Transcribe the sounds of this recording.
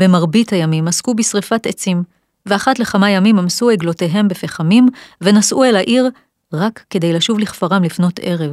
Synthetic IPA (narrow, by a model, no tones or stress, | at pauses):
bemaʁbithajamimaskubisʁifatet͡sim | veaχatle̞χamajamimamsueɡlo̞te̞ɦe̞mbefeχamimve̞nasʔuelaʔiʁ | ʁakːe̞de̞jlaʃuvliχfaʁamlifno̞tʰe̞ʁe̞v